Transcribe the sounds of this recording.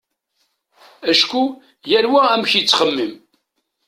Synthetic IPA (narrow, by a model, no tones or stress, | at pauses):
æʃku | jæɾwææmçit͡sːχəmːim